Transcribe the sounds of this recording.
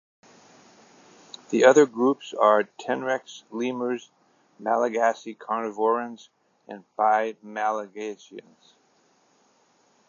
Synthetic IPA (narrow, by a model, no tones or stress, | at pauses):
ðiʌðə˞ɡɹupsə˞tʰɛ̃nɹɛkslĩmə˞z | mælˠəɡæsikʰɑ̃nɨvɔɹɨ̃nz | ɨ̰̃nb̥aɪdmælˠəɡeɪʃiɨ̰̃nz̥